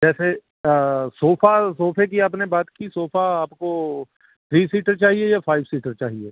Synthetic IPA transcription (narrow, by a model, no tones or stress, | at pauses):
d͡ʒɛːse | soːfasoːpʰek̬iaːpnebaːt̪kisoːfaaːpko | t̪ʰɾiːsiːʈəɾt͡ʃaːɦiejafaːɪbsiːʈəɾt͡ʃaːɦieː